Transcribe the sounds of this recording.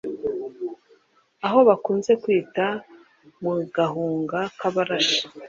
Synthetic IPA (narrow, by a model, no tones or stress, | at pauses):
aɦo̞βakuːnze̞kwiːta | muɡaɦuːŋɡakaβaɾaʃḁ